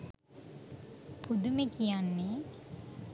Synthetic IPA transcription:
pud̪umekijanːe

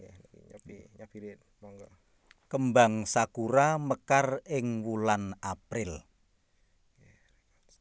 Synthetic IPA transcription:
jakḭɲpiɲapiɾit̪̚ | mɔŋɡɔ | kəmbaŋsakuɾaməkarɪŋwulanʔapɾɪl

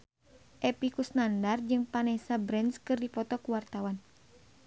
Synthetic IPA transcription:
ʔɛpikusnandard͡ʒɨŋpanɛsabɾɛnskɨrdipɔt̪ɔkuwart̪awan

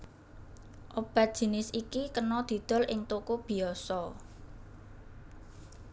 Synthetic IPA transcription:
ʔob̥ä̤t̪̚d̥ʒ̥i̤nɪsikikənɔd̪̥i̤d̪̥ɔ̤lʔɪŋt̪okob̥i̤ɔsɔ

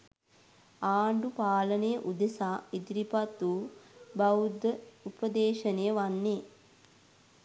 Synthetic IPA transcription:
aːɳɖupaːlənejəʔud̪esaːid̪iɾipat̪ːuːbɐud̪əupəd̪eːʃənejəʋanːeː

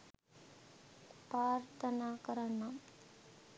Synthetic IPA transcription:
pɾaːɾt̪ʰɐnaːkɐɾɐɳɐm

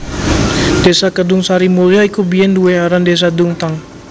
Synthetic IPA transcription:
desakədʊŋsaɾimuliaikubiɛnduwɛaɾandes̬aduŋt̪aŋ

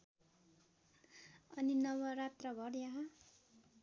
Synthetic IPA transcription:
ʌninʌwʌɾat̪rʌɡʱʌɾjaɦʌ

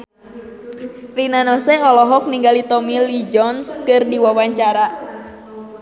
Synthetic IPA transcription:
rinanɔsɛɔlɔɦɔk̚niŋɡalit̪ɔmilid͡ʒɔnskɨrdiwawaɲt͡ʃaɾa

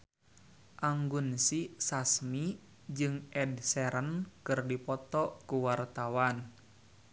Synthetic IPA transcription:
ʔaŋɡunsisasmi | d͡ʒɨŋʔɛdsɛɾənkɨrdipɔt̪ɔkuwart̪awan

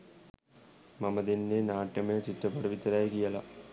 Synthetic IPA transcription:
mɐmɐðinːenaːʈjɐmeːt͡ɕiʈːɐpːɐɽɐʋit̪ːɐɾaːjkijɐlɐ̰

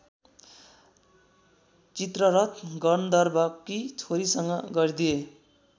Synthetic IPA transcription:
t͡sit̪rʌɾʌt̪ɡʌnd̪ʌrbʌkːit͡sʰoɾisʌŋɡʌɡʌrd̪ije

